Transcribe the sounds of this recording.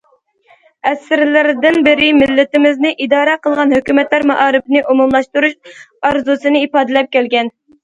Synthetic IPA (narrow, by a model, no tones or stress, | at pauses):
ɛsɾlɪɾd̪ɪnbɪɾɪmɪlːɪt̪ɪmɪznɪʔid̪ɑːɾɛqʰəlˠʁɑnhøkʲymɛt̪læɾmɑ̰ʔɑːɾɨpnɨʔomumlˠɑʃt̪uɾuʃɑɾzusɨnɨipɑːd̪ɨlˠɛp̚kʲɛlɡʲɛn